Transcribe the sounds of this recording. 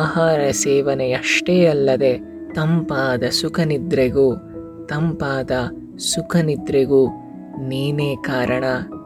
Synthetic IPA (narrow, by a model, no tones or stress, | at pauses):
ɦaːɾɐsɛːʋɐnejɐʂʈeːɐlːɐd̪e̞ | t̪ɐmpaːd̪ɐsukʰɐnid̪ɾeɡu | t̪ɐmpaːd̪ɐ | sukʰɐnid̪ɾeɡuː | niːneːkaːɾɐɳɐ